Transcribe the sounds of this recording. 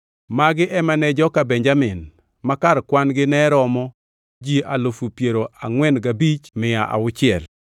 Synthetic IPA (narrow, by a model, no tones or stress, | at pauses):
maɡɪʔɛmanɛd͡ʒɔkabɛɲd͡ʒamɪn | makaɾkwanɡɪnɛɾɔmɔ | d͡ʒiʔalofupjeɾoaŋwɛnɡabit͡ʃmɪaʔa̰ʊt͡ʃɪɛl